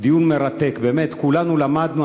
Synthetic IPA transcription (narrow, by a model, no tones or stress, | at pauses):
d̪ijunmeɾat̪ekbeːmet̪kulanulamad̪nu